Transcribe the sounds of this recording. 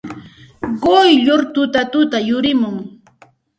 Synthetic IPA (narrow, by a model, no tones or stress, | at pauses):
ɢojʎoɾt̪ʊt̪at̪ʊt̪ajʊɾɪmʊŋ